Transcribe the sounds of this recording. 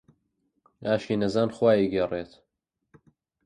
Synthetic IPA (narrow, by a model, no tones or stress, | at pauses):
aːʃiːnɐzaːnxwaːjiɡereːt̪